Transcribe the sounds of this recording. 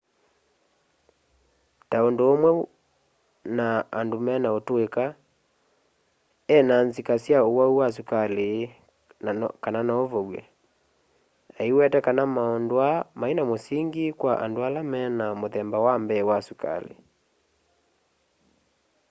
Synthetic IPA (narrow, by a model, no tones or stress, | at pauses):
taondoːmwɛ | naandomɛnaotoeka | ɛnanzikasjaowauwas̬ukale | kananaovɔwɛ̰ | aiwɛtɛkanamaɔndoamaenamosiŋɡikwaʔa̰ndoalamɛnamoðɛmbawambɛwasuka̰lḛ